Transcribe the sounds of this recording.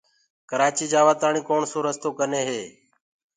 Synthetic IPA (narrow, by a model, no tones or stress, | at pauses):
kəɾaːt͡ʃiːd͡ʒaːʋaːt̪aːɳiːkoːɳsoːɾəst̪oːkəneːɦeː